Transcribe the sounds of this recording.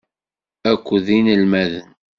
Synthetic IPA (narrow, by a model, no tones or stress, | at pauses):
ækʷːðinəlmæðən